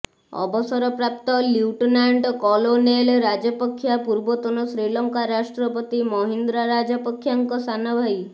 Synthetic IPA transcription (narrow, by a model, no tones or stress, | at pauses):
ɔ̰bɔsɔɾɔpɾap̚t̪ɔliwʈɔnaɳɖkɔlonelɾad͡ʒɔpɔkʰːjapuɾbɔt̪ɔnɔsɾilɔŋkaɾasʈɾɔpɔt̪imɔɦind̪ɾaɾad͡ʒɔpɔkʰːjaŋkɔsanɔbʱaj